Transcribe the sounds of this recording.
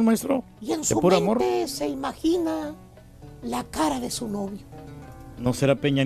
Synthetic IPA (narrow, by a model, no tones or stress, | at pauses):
lmaest̪ɾo | ie̞nseumpoɾãnmo̞ɾt̪ese̞imaxina | lakaɾaðe̞suno̞βjonoseɾapeɲa